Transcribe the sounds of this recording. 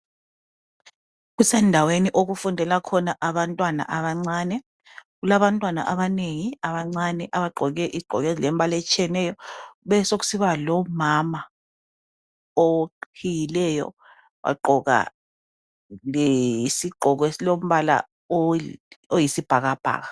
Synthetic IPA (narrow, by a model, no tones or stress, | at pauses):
ɣusɛndʱaweniʔoɣufundʱɛlakʰɔnaʔaβantʼwana̰ʔaβaŋ͡ǀaːnɛ | ɣulaβantʼwana̰ʔaβaneŋiaβaŋ͡ǀanɛʔaβaǃʱɔɣɛʔiɡ͡ǃʱɔ̰ɣɛzlɛmbʱalɛt͡ʃʰʼiɛnɛjɔβɛsok̬u̥siβalɔmama | okkʰijilɛjɔ̰ | wa̰ǃʱɔɣa̰ | lɛisiɡ͡ǃʱɔɣɔesilom̩βala̰ | ojisib̥ʱaɣab̥ʱa̰ːɣa